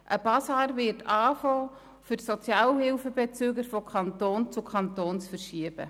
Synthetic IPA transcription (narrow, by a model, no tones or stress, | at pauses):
ʔəb̥ɑsɑːɾvɪtʰɑːfoː | fyɾsot͡sjɑːlhɪlfəbɛt͡syːɡəɾfɔkʰɑnt̪oːnt͡sukʰɑnt̪oːnsfəɾʃiəb̥ə̰